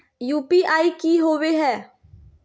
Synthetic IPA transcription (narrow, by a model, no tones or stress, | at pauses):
juːpiːʔaːikiːɦoːʋeːɦɛː